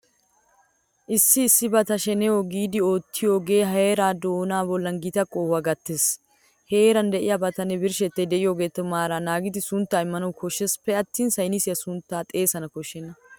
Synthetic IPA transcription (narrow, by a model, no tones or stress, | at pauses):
ʔɪsːɪːsːɪbɐt̪ɐʃɛnɛoɡiːd̪ɪo̞ːt̪ːɪjoːɡe̞ːɦɐeːɾaːd̪oːnaːbɔlːɐnɡɪt̪ɐkʼoːwɐɡɐt̪ːeːs | heːɾɐnd̪ɛʔɪjabɐt̪ɐnɛbɪɾʃɛt̪ːɛd̪ɛʔɪjoːɡeːt̪ːɔmaːɾaːnaːɡɪd̪ɪsʊnt̪ːaːɪmːɐnɐwkɔʃːɛspːɛɐt̪ːiːnsɐjnisɪjɐsʊnt̪ːaːt̪ʼe̞ːsɐnɐkɔʃːɛnːɐ